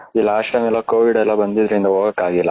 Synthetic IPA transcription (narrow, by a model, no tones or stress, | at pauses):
ilːɐaːʃɐmɛlːɐkoːʋiɖɛlːɐbɐnd̪id̪ɐɾind̪ɐɦoːɡɐkːaːɡilːɐ